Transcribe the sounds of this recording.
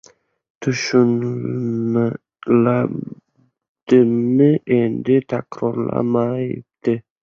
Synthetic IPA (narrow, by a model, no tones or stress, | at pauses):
t̪ʰʊʃʊnl | la | d̪̥ɪmɪʔend̪ɪt̪ʰakɾoɾlˠa̰majɪ̰p̚d̪ɪ